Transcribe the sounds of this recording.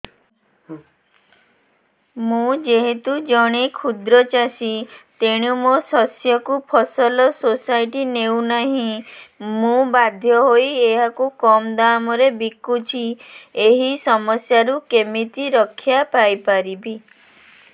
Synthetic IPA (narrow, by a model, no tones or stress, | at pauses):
mũd͡ʒeɦet̪ud͡ʒɔɽ̃ekʰud̪ɾɔt͡ʃasit̪eɽ̃umosɔsjɔkupʰɔsɔlɔsosajʈinewnaɦĩmũbad̪ʱjɔɦojeɦakukɔmd̪amɔɾebikut͡ʃʰieɦisɔmɔsjaɾukemit̪iɾɔkʰːjapajpaɾibi